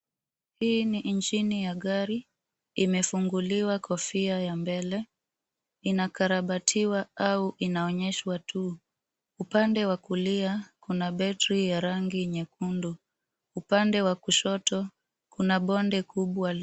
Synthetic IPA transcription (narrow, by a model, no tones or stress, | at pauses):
hiːnint͡ʃinijaɠaɾi | imɛfuŋɡuliwakʰɔfiajambɛlɛ | inakaɾaɓatʰiwaauʔinaɔɲɛʃwatʰu | upandɛwakuliakunaɓɛtɾijaɾaŋɡiɲɛkundu | upandɛwakuʃɔtɔ | kunaɓɔndɛkʰuɓwal